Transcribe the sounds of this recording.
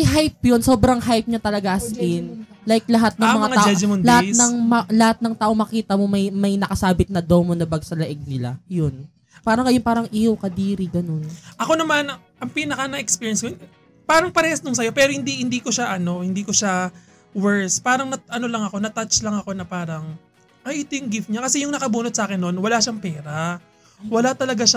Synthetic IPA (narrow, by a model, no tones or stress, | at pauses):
ɐjɦajp̚jonso̞ːbɾɐŋɦajp̚ɲɐt̪ɐlɐɡaʔɐskɪn | lajklɐɦat̪̚nɐŋmɐŋaŋad͡ʒɛd͡ʒɪmʊnlɐhanɐŋmɐlɐhat̪̚nɐŋt̪aːʔoŋmɐkiːt̪ɐmo̞mɐjmɐjnɐkɐsaːbɪt̪̚nɐd̪omonɐbɐɡ̚sɐlɐʔɛɡ̚nɪla̰jon | paːɾɐŋːɐjonpaːɾɐŋʔiːhɐwkɐd̪iːɾiɡɐno̞nʔɐko̞nɐman | ʔɐŋpiːnɐkɐnɐɛkspiːɹjɛnskɐjon | paːɾɐŋpɐɾɛːhɐsnoŋsɐjo̞pɛːɾohɪnd̪ihɪnd̪iːko̞ʃaʔɐno̞hɪnd̪iːko̞ʃa | wɛɹspaːɾɐŋnɐʔɐno̞lɐŋɐko̞nɐt̪at͡ʃlɐŋɐko̞nɐpaːɾɐŋ | ʔɐʔɪt̪ojʊŋɡɪfɲakɐsɛjʊŋnɐkɐbuːnot̪̚saːkɛnːonwɐlaʃaŋpɛːɾɐ | wɐlat̪ɐlɐɡaʃa